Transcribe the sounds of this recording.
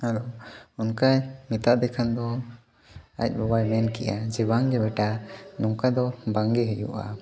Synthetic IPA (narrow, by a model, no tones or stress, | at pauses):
halounkajmit̪aʔd̪ɛkʰand̪ɔ | a̰c̚ˀbɔbajmɛnkɛ̰ʔad͡ʒibaŋɡɛbɛʈanɔŋkajd̪ɔbaŋɡɛɦɛjṵʔa̰